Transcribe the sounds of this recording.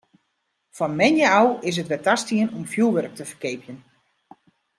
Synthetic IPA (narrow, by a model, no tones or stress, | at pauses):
fɔnmɛnjəawɪs̬ətʋɛtastiənomfjulˠʋørək̚təfərkeːpʰjən